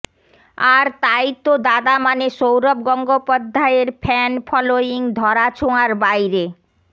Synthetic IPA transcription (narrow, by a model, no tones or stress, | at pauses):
aɾt̪ajt̪od̪ad̪amaneʃowɾob̚ɡɔŋɡopɔd̪ʱːaeɾpʰɛnpʰɔloiŋd̪ʱɔɾat͡ɕʰoaɾbajɾe